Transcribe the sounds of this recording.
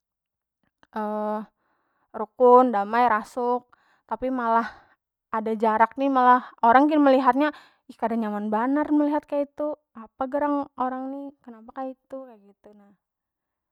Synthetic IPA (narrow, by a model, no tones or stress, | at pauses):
ʔə | rukʊndamajɾasʊk̚ | t̪apimalah | ʔadad͡ʒaɾak̚nimalahoɾaŋkinməliɦat̪̚ɲa | ihkadaŋɲamanbanarməliɦat̪̚kajait̪u | apaɡəɾaŋoɾaŋnikənapakait̪ukajɡit̪unah